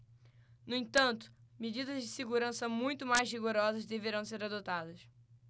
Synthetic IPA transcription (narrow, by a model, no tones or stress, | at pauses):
nʊẽt̪ɐ̃nt̪ʊ̥med͡ʒid̪ɐzd͡ʒɪseɡuɾɐ̃sɐmũj̃t̪ʊmajzɦiɡoɾɔzɐzd̪eveɾɐ̃w̃seɾad̪ot̪ad̪ɐs